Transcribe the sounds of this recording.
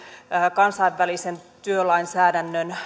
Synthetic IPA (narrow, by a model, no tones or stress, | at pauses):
kɑnsɑiʋːælisent̪yølɑinsæːdænːøn